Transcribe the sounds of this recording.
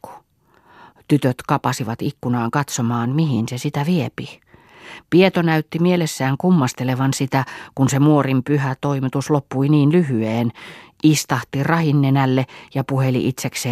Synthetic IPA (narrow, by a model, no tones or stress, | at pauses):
ku̥ | t̪yt̪øt̪kɑpɑsiʋɑt̪ikːunɑːŋkɑt̪somɑːnmihinsesit̪æʋiepi | piet̪onæyt̪ːimielesːæːŋkumːɑst̪eleʋɑnsit̪ækunsemuorimpyhæt̪oimit̪uslopːuiniːnlyhyeːn | ist̪ɑht̪irɑhinːenælːejɑpuhelḭʔit̪sekseː